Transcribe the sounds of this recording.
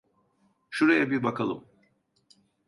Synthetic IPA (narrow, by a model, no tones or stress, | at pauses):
ʃuɾejɛbiɾbakʰalˠɯ̰m